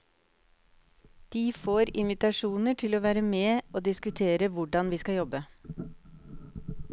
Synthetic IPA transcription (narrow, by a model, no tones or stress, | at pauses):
d̪̥iːfoːɾɪ̰nʋɪt̪ɑʃuːnəʈʰɪloːʋæːɾəmeːoːd̪ɪskʉt̪ʰeːɾəʋʊɖɑnʋiːskɑjɔbə